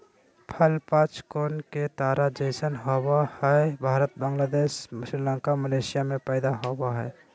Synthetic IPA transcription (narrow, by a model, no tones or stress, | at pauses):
pʰəlpat͡ʃkoːnket̪aːɾad͡ʒesənɦowahɛbʱaːɾət̪̚bəŋɡlaːd̪eːsmʊsɾilə̃ŋkaməleːsijamẽpɛːd̪aɦobaɦɛ̰ː